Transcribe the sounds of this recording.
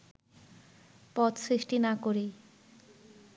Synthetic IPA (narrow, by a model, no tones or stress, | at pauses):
pɔt̪sɾiʃʈinakoɾi